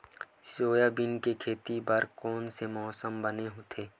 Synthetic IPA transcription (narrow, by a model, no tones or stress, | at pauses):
soːjabɪnkekʰeːt̪ibɐɾkɔːnsemɔːsəmbəneɦoːt̪ʰeː